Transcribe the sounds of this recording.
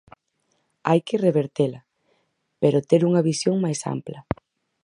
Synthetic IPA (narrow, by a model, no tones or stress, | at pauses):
ajkɪreβeɾt̪elɐ | peɾot̪eɾuŋɐβisjoŋmajsa̰mplɐ